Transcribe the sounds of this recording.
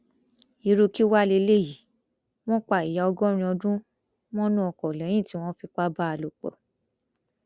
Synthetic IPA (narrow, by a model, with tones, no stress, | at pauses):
i˨˧ɾo˧ki˦wa˦le˧le˦˨ji˨ | w̃ɔ̃˦k͡pa˦˨i˨ja˨ɔ˧ɡɔ˦ɾ̃ĩ˧ɔ˧dũ˦ | mɔ̃˦nũ˦ɔ˧˨kɔ˨lɛ̃˨˦j̃ĩ˦˨ti˦w̃ɔ̃˦fi˧k͡pa˦ba˦a˧lo˨k͡pɔ̰˨